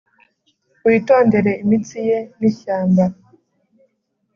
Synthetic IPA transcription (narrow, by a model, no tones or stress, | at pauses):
wito̞ːnde̞ɾe̞imit͡sijeniʃaːmba